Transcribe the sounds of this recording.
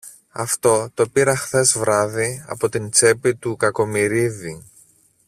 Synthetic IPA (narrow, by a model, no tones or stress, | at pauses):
ɐ̰ft̪o̞t̪o̞piɾɐxθe̞zvɾɐðiɐ̰po̞t̪int͡se̞pit̪ukɐko̞miɾiði